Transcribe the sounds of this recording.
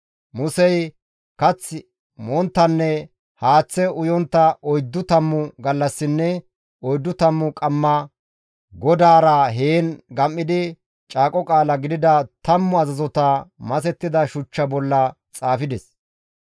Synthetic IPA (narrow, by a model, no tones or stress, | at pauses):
mʊsɛj | kɐt͡sː | mɔnt̪ːɐnːɛ | haːt͡sːɛʊjɔnt̪ːɐʔɔjd̪ːʊt̪ɐmːʊɡɐlːɐsːɪnːɛ | ɔjd̪ːʊt̪ɐmːʊkʼɐmːɐ | ɡɔd̪aːɾɐɦeːnɡɐmːɪd̪ɪ | t͡ʃʼaːkʼɔkʼaːlɐɡɪd̪ɪd̪ɐt̪ɐmːʊɐzɐzɔt̪ɐmɐsɛt̪ːɪd̪ɐʃʊt͡ʃːɐbɔlːɐ | t͡sʼaːfɪd̪ɛs